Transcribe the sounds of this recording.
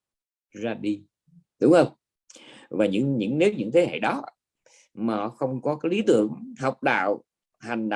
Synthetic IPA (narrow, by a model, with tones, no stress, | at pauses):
zaː˧ɗi˧ | ɗʊ˨˦ŋ͡mhə˧wŋ͡m | vaː˨˩ɲɨ̰˧˥ŋɲɨ̰˧˥ŋne˨˦wɲɨ̰˧˥ŋt̪ʰe˨˦ɦḛ˧˨ɗɔ˨˦ | maː˨˩xə˧wŋ͡mkɔ˨˦kaː˨˦jli˨˦t̪ɨ̰˧˨əŋhɔ˨˩wk͡p̚ɗa̰ː˧˨w | ha˨˩ŋ̟ɗa̰˧˨